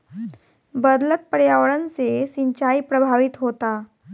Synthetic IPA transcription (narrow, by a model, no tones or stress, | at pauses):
bəd̪lət̪̚pəɽjaʋəɭənt͡sesiɲt͡ɕaipɾəbʱaʋit̪ɦot̪a